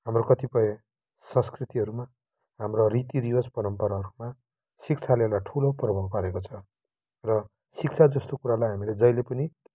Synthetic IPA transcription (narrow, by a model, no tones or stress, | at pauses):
ɦamrokʌt̪ipʌe | sʌ̃nskrit̪iɦʌɾuma | ɦamrorit̪iɾiwospʌɾʌmpʌɾaɦʌɾuma | sik̚t͡sʰalelaʈʰuloprʌbʱʌɦpaɾekot͡sʰʌ | rʌ | sik̚t͡sʰad͡zʌst̪okuɾalajɦamiled͡zʌjlepʌni